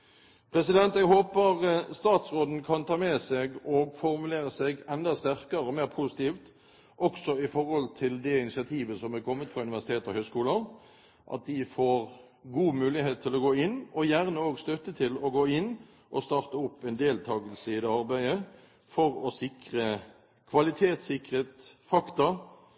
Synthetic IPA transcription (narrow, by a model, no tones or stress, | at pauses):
pʰɾɛsɪd̪ɛnt̪ɛɡɦoːpəʁəst̪ɑːt̪sʁoːd̪n̩kʰɑnt̪ʰɑːmɛsɛɡɔɡfɔʁmʉleːɾəsɛɡɛnd̪ɑst̪æʁkəɾəɔmeːɾpʰusɪ̥t̪ʰiːft̪ | ʔɔksɔɪfɔɾhɔlt̪ʰɪld̪ɛɪnɪsɪɑt̪ʰiːʋəsɔmɛkʰɔmːət̪fʁɑʉnɪʋæʁsɪ̥t̪ʰeːt̪ɔhœʏskuːlən | ʔɑ̰t̪̚d̪ɪfoːɾ | ɡuːmʉːlɪheːt̪ʰːɪlɔɡoːɪnːɔjæʁnəoːɡst̪œt̪ːət̪ʰɪlɔɡoːɪnː | ʔɔst̪ɑːʁt̪əʊpːɛnd̪eːlt̪ʰɑːɡəlsəɪd̪ɛɑʁbæɪə | fɔɾɔsɪkʁə | kʰʋɑlɪt̪ʰeːt̪sɪkʁeːt̪fɑkt̪ɑ